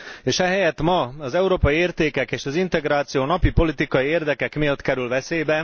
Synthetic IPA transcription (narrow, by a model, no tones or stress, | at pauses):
eːʃɛɦɛjɛt̪mɒɒzɛuɾoːpɒjieːrt̪eːkɛkeːʃɒzint̪ɛɡɾaːt̪sijoːnɒpipo̞lit̪ikɒjieːrd̪ɛkɛkmeːlt̪kɛɾylvɛseːbɛ